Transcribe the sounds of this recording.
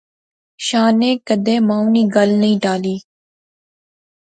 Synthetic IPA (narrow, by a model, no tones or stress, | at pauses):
ʃaːnẽːkəd̪eːmãːuniːɡəlnəĩːɖaːliː